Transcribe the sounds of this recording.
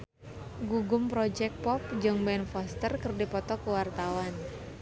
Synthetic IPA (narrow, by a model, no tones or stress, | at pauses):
ɡuɡʊmpɾɔd͡ʒɛk̪̚pɔp̚d͡ʒɨŋbɛnfɔst̪ərkərdipɔt̪ɔkuwart̪awan